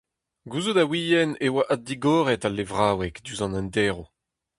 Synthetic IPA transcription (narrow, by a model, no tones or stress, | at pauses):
ɡuzod̪awijɛnewaʔad̪iɡoːʁɛtalːevʁaːwɛkd̪yzɑ̃nɛ̃ndɛːʁo